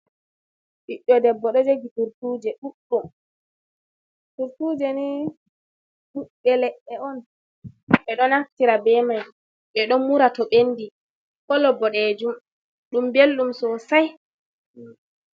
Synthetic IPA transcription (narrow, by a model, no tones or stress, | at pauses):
ʔiɗːɔdɛbːɔɗɔd͡ʒeɡituɾtuːd͡ʒɛɗuɗːum | tuɾtud͡ʒɛni | ɗuɗbɛlɛɗːɛɔn | ɓɛɗɔnaftiɾabɛmaj | ɓɛɗɔmmuɾatɔɓendi | kɔlɔbɔɗɛd͡ʒum | ɗumbelːɗumsɔsaj